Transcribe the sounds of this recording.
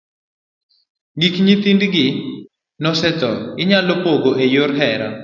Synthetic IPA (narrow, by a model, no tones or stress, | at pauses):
ɡikɲit̪indɡɪ | nɔsɛt̪ɔɪɲalɔpoɡoʔejoɾɦɛɾa̰